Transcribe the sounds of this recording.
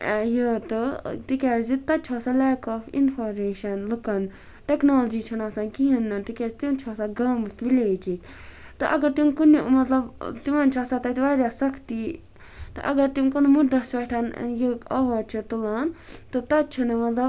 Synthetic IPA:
jɨt̪ɨt̪ikʲaːzit̪ɐt̪̚t͡ʃʰaːsalɛːkafḭnfʰoɾmeːʃɐnlukɐn | ʈeknaːld͡ʒit͡ʃʰɐnaːsankiɦinːɨt̪ikʲaːzt̪int͡ʃʰaːsaɡɐːmt̪bilʲeːt͡ʃʰikʲ | t̪ɨʔɐɡɐɾt̪imkunimɐt̪lɐbt̪iʋɐnt͡ʃʰaːsat̪ɐt̪ʲiʋaːɾjasɐkʰt̪i | t̪ɨ̰ʔɐɡɐɾt̪imkunmuɾd̪ɐsʋɛʈʰɐn̰jiɐʋat͡ʃʰit̪ulant̪ɨt̪ɐt̚t͡ʃʰɨnɨmɐt̪lɐb

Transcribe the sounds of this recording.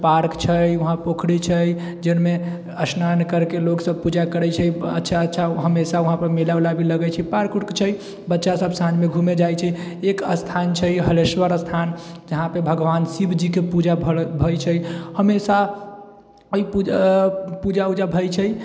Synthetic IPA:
paɾkt͡ʃʰəjuɦãpokʰɽit͡ʃʰəj | d͡ʒenme | əsnankəɾkeloksəb̚pud͡ʒakəɾɛt͡ʃʰəjə̰tːʃʰaətːʃʰaɦəmesauɦãpəɾmelalabʱiləɡɛt͡ʃʰɛpaɾkuʈkt͡ʃʰəj | bətːʃasəbʱsãd͡ʒmeɡʱumed͡ʒajt͡ʃʰɛekəst̪ʰant͡ʃʰəjɦəleswəɾəst̪ʰand͡ʒəɦãpebʱəɡʋansibʱd͡ʒikepud͡ʒabʱbʱəjt͡ʃʰəjhəmesa | ipu | pud͡ʒaud͡ʒabʱəjt͡ʃʰəj

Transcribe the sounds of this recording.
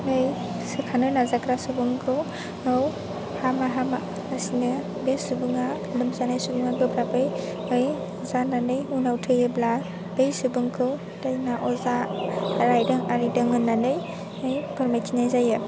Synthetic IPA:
nɯj | sɯkʰanɯnazakɾasubuŋkʰɯw | nɯw | hamaɦama | asinɯ | besubɯŋa | lɯmzanajsubɯŋabɯbɾapɯj | ɯj | zananɯjunawtʰɯjɯbla | bejsubɯŋkʰɯw | tajnaʔɔza | ɾajdɯŋaɾidɯŋɯnːanɯj | ɯjpʰɯɾmetʰinajzajɯ

